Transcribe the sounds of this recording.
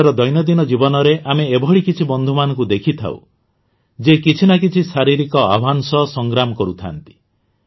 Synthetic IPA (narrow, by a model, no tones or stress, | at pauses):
ɾɔd̪ɔjnɔd̪inɔd͡ʒibɔnɔɾeʔameːbʱɔɭikit͡ʃʰibɔnd̪ʱumanɔ̃ŋkud̪ekʰit̪ʰa̰w̰ | d͡ʒekit͡ʃʰinak̬it͡ʃʰisaɾiɾikɔabʱansɔsɔŋɡɾamɔkɔɾut̪ʰa̰nt̪i̥